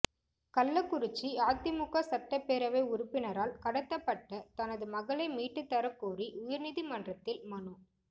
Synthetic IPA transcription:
kɐlːɐkːʊɾɪt͡ʃːiaːt̪ːɪmʊɣɐsɐʈːɐpːeːɾɐʋɐɪʊɾʊpːɪnɐɾaːlkɐɽɐt̪ːɐpːɐʈːɐt̪ɐnɐðɯmɐɣɐɭɐɪmiːʈːɯt̪ːɐɾɐkːuːriʔʊjɐɾnɪðimɐndrɐt̪ːɪlmɐnu

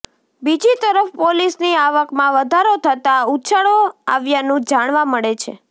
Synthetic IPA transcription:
bid͡ʒit̪əɾəfpolisniaʋəkmãʋəd̪ʱaɾot̪ʰət̪autːʃaɭoa̰ʋjanũd͡ʒaɽ̃ʋãməɭet͡ʃʰe

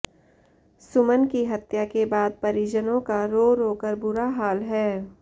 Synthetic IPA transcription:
sʊmənkiɦɐt̪jakebaːd̪̚pɐɾiːd͡ʒənõkaɾoːɾoːkəɾbʊɾaɦaːlɦɛː

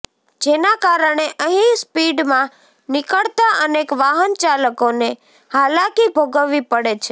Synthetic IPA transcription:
d͡ʒenakaɾəɳ̃eʔəɦĩspiɖmã | nɪkəɭt̪aʔənekʋaɦənt͡ʃaləkone | halakibʱoɡəʋːipəɽet͡ʃʰe

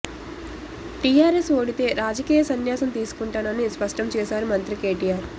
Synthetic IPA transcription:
ʈijaːɾesoːɽit̪e̞ːɾaːd͡ʒɐkiːjɐsɐnjaːsɐmt̪iːsu̥kuɳʈaːnɐnispɐʂʈɐmt͡ʃɛːsaːɾumɐnt̪ɾike̞ːʈijaːɾ

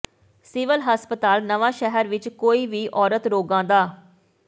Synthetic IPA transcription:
sɪʋəlɦəspət̪aːlnəʋãːʃɛɦəɾʋɪt͡ʃkoːiːʋiːʔɔːɾət̪ɾoːɡãːd̪aː

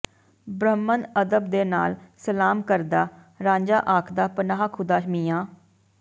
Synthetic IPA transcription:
bɾəmːənəd̪əb̚d̪eːna̰ːlsəlaːmkəɾd̪aː | ɾãːɲd͡ʒa̰ːʔaːkʰd̪aːpənaːɦaːkʰʊd̪aːʃmiːjaː

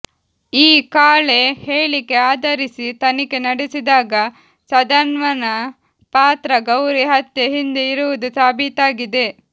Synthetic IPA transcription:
iːkaːɭe̞heːɭike̞aːd̪ɐɾisit̪ɐnike̞nɐɽesid̪aːɡɐ | sɐd̪ɐnʋɐnɐ | paːt̪ɾɐɡɐwɾiɦɐt̪jeɦind̪eiɾuʋud̪usaːbʱit̪aːɡid̪e̞

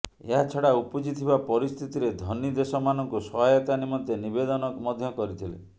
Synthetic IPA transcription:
ḛɦat͡ʃʰɔɽaupud͡ʒit̪ʰiβapɔɾist̪ʰit̪iɾed̪ʱɔnːid̪esɔmanɔŋkusɔɦajɔt̪animɔnt̪enibed̪ɔnɔmɔd̪ʱjɔkɔɾit̪ʰilḛ

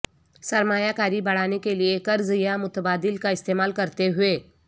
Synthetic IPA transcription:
sɐɾmaːjakaːɾibɐɽ̤aːnekeliekɐɾzjamʊt̪əbaːd̪ɪlkaɪst̪eːmaːlkɐɾt̪eɦʊeː

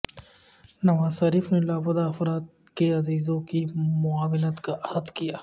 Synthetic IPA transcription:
nɐʋaːzʃɐɾiːfnelaːbʊd̪aːfɾaːt̪̚keɐziːzõkimʊaːʋɪnət̪kaʔɐhɐd̪kijaː

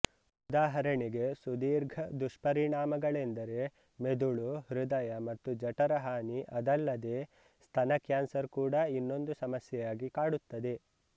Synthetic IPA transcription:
ud̪aːɦɐɾɐɳiɡe̞sud̪iːɾɡʱɐd̪uʂpɐɾiɳaːmɐɡɐɭend̪ɐɾe̞ | med̪uɭuhɾud̪ɐjɐmɐt̪ːud͡ʒɐʈɐɾɐɦaːniʔɐd̪ɐlːɐd̪eː | st̪ʰɐnɐkjaːnsɐɾkuːɽɐinːo̞nd̪usɐmɐsjɛjaːɡikaːɽut̪ːɐd̪e̞

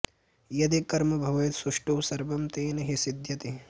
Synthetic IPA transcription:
jɐd̪ikɐɾmɐbʱɐʋɐjt̪suʂʈuːsɐɾbɐmt̪eːnɐɦisid̪jɐt̪i

